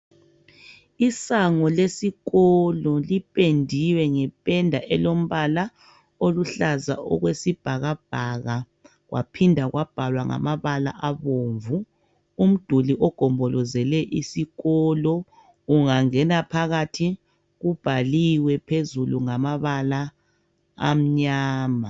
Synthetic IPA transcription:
isaŋɔlesiɣɔlɔlipʼendʱiwɛŋɛpʼɛndʱaʔɛlom̩βala | oluɬaza̰ʔɔ̰ɣwesib̥ʱaɣab̥ʱaɣa | ɣwa̰pʰindʱaɣwab̥ʱalwaŋa̰maβala̰ʔaβoːɱvu | um̩d̥ʱuliʔɔɡ̥ʱɔmbʱɔlɔzɛlɛʔisiɣɔlɔ | uŋaŋɛnapʰaɣatʰi | ɣub̥ʱaliwɛpʰezuluŋamaβala̰ː | m̩ɲaːma

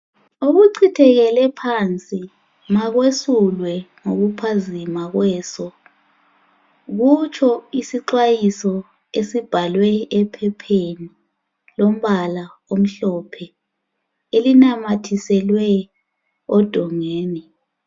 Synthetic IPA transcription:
oɣuǀʰitʰɛɣɛlɛpʰant͡sʼi | maɣwesulwɛŋoɣupʰazimaɣwɛːsɔ | ɣut͡ʃʰɔisiǃwajisɔ | esib̥ʱalwɛːpʰɛpʰeni | lom̩βalaom̩ɬɔpʰɛ | elinamatʰisɛlwɛ | ɔd̥ʱɔŋeːnɛ

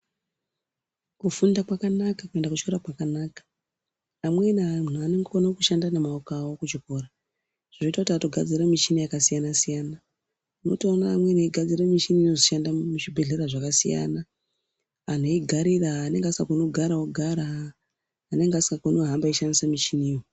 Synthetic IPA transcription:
kufundakwakanakakue̞ndakut͡ʃkoɾakwakanaːkḁː | mwe̞nmun̤uane̞ŋɡoonakuʃandanemaukawokut͡ʃiko̞ːɾa | ʐ̥ino̞itakutiato̞ɡʱad͡ziɾamit͡ʃinijakasijanasijaːna | uno̞̰toonaːmwe̞neiɡʱad͡ziɾamiʃiniino̞ziʃandamuʐibʱe̞ɮe̞ɾaʐakasḭja̰na | an̤oiɡʱaɾiraːne̞ŋɡeasi̥kakonoɡʱaɾaoɡʱaɾaː | ne̞ŋɡeasi̥kakonoɦambaiʃandisamit͡ʃiniwo

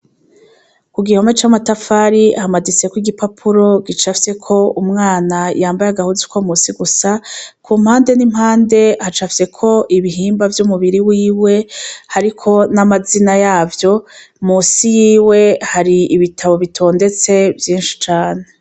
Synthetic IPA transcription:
kuɡiho̞me̞t͡ʃamatafaɾihamadit͡sekwiɡipapʰuɾo̞ɡit͡ʃafse̞kʰo̞umŋaːnajaːmbajaɡahuzikwomusiɡusakʰum̥haːnde̞nimhaːnde̞hat͡ʃafse̞kʰo̞ʔiβiɦiːmbavjumuβiɾiwiːwe̞haɾikʰo̞namazinajaːvjo̞ | muːsijiːwe̞haɾiiβitʰaβo̞βitʰo̞ːnde̞t͡se̞vjiːnʃi̥t͡ʃaːne̞

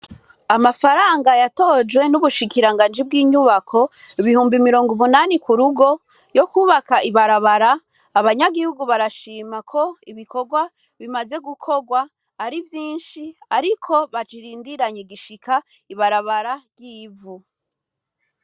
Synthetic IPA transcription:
amafaɾaːŋɡajato̞d͡ʒwe̞nuβuʃikiɾaŋɡaːnd͡ʒibɡiːɲuβakʰo̞iβihuːmbimiɾo̞ːŋɡumunaːnikuɾuɡo̞ | jo̞kuːβakaiβaɾaβaɾaː | βaɲaɡihuɡuβaɾaʃiːmakʰo̞iβiko̞ɡwa | βimaze̞ɡukʰo̞ɡwaː | ɾivjiːnʃiaɾikʰo̞βat͡ʃiɾiːndiɾaɲeɡiʃikʰa | iβaɾaβaɾaɟiːvu

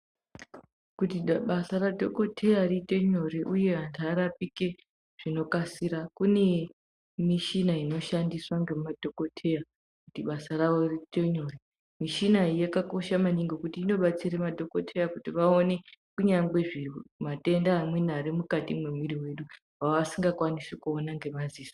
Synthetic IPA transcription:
kutiɓasaradʱoko̞tʰe̞jarite̞ɲo̞riʔuje̞ɦandʱaɾapike̞ | ʐ̥ino̞kasiɾakune̞ | miʃinaino̞ʃandiswaŋɡemadʱo̞ko̞tʰe̞ja | kutiɓasaraʋo̞riteɲori | miʃinaijakako̞ʃamaniŋɡo̞kutiːno̞ɓat͡siɾemadʱo̞kotʰe̞jakutiʋaone̞kuɲaŋɡwe̞ʐimate̞ndaːmwe̞naɾimukatimwe̞mwiɾiwe̞ɗu | waʋasiŋɡakwanisekuonaŋɡe̞maziːso

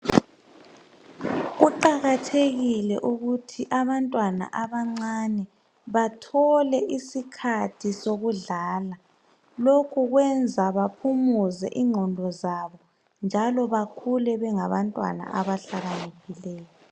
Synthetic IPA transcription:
ɣuǃaɣatʰeɣilɛ̰ʔuɣutʰiʔaβantʼwana̰ʔaβaŋ͡ǀanɛ | βatʰɔlɛʔisikʰatʰisoɣuɮaːla | lokʰuɣwɛnd͡zʱaβapʰumuzɛ̰ʔiŋ͡ǀʱɔndʱɔzaβɔ | nd͡ʒʱalɔβakʰulɛβɛŋaβantʼwa̰na̰ʔaβaɬaɣaneɣʰilɛːjɔ

